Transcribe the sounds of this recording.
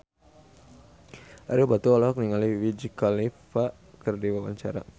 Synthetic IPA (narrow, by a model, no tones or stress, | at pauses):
ʔaɾibat̪uɔlɔɦɔk̚niŋaliwid͡ʒikalifaʔ | kərdiwawa̰ɲt͡ʃa̰ɾa̰